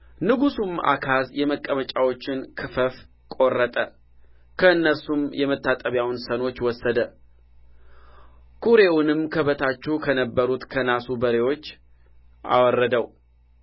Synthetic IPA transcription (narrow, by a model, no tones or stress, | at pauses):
nɨɡusuma̰kʰasjɛməkʼːəmət͡ʃʼawo̞t͡ʃːɪnkʰɨfəf | kʼo̞rːət̪ʼə | kʰəɨnːəsumjɛmət̪ʰːat̪ʼəβjawnsəno̞t͡ʃːwɔsːəd̪ə | kʰuɾe̞wʊnɨmkʰəβət̪ʰat͡ʃːukʰənəbːəɾut̪kʰənasubəɾe̞wo̞t͡ʃː | ʔa̰wɔrːəd̪əw